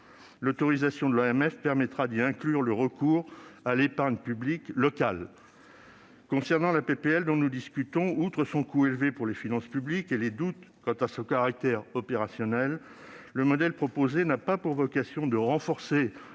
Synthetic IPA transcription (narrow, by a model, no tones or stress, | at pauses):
lɔt̪ɔʁizasjɔ̃d̪əlaɛmɛfpɛʁmɛt̪χad̪iɛ̃klyʁləʁəkuːʁalepaʁɲpybliklɔkal | kɔ̃sɛʁnɑ̃lapepeɛld̪ɔ̃nud̪iskʲyt̪ɔ̃ut̪χəsɔ̃kuelvepuʁlefinɑ̃spyblikeled̪ut̪kɑ̃t̪asɔ̃kaʁak̚t̪ɛʁɔpeʁasjɔnɛlː | əmɔd̪ɛlpχɔpozenapapuʁvɔkasjɔ̃d̪əʁɑ̃fɔʁse